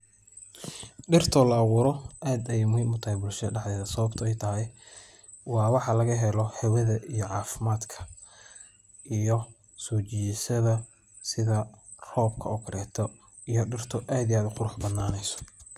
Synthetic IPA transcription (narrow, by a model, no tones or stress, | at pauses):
ɖɪrt̪ʰɔlɐːwʊːɾɔʔaːd̪ɐjmɛjmʊt̪ʰɐɛbʊlʃɐɖɑħd̪ɛːðɐsɐβɐbt̪ʰɔɛjt̪ʰɐɦɛj | wɑːwɑħɑlɐɣɐɦɛlɔħɛwɐðɐʔijɔʕɑːfɪmaːd̪kʰɐ̥ | ʔijɔ | sɔːt͡ʃijsɐðɐ | sɪðɐ | rɔːbkʰɐ̰ʊkʰɐɾɛːt̪ʰɔ | ijɔɖɪrt̪ʰɔʔaːd̪ijaːd̪ʊqʊɾʊħbɐnːaːnɛjsɔ̥